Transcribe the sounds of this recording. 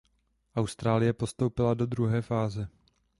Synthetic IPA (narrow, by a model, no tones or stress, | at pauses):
ʔawst̪ɾaːlɪjɛpo̞st̪owpɪlado̞d̪ɾuɦɛːfaːzɛ